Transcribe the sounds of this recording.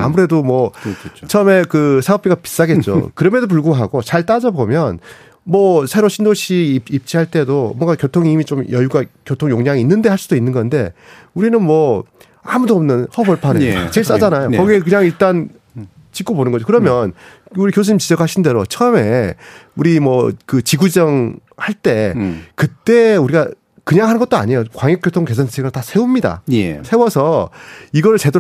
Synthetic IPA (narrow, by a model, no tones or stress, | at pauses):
a̰muɾe̞domwʌt͡ɕʰʌʌme̞kɯsʰaʌp͈̚iɡapi̥s͈aɡe̞t̚t͡ɕ͈o̰kɯɾʌmedop̬uɭɡoɦaɡot͡ɕaɭt͈ad͡ʑʌbomjʌn | mwʌsʰe̞ɾoɕʰindoɕʰiip̚t͡ɕ͈iɦaɭt͈e̞domʌŋɡakjotʰoŋimit͡ɕomjʌjuɡakjotʰoŋjoŋɲaŋiinːɯnde̞haɭs͈udoinːɯnɡʌnde̞ | uɾinɯnmwʌ | a̰mudoʌmnɯnhʌbʌɭpʰanɯt͡ɕeɭs͈ad͡ʑanajokʌɡiekɯɲaŋiɭt͈an | t͡ɕik͈oponɯnɡʌd͡ʑokɯɾʌmjʌn | uɾikjos̬ʰuɲːimt͡ɕid͡ʑʌkʰaɕʰinde̞ɾot͡ɕʰʌʌme̞uɾimʌkɯt͡ɕiɡud͡ʑʌŋhaɭt͈e̞kɯt͈e̞uɾiɡa | kɯɲaŋɦanɯnɡʌt͈oa̰ɲejokwaŋjekjotʰoŋke̞sʰansʰsʰeɡɯɭtasʰe̞umɲida̰sʰewʌsʰʌiɡʌɯɭt͡ɕe̞do